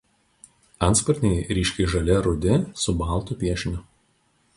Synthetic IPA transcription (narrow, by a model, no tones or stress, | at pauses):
ɐnt̪spɔɾʲnʲejɾʲiːʃʲkʲɛɪʒɐlʲɛɾʊd̪ʲɪsʊbɑˑlˠt̪uˑpʲiɛʃʲnʲʊ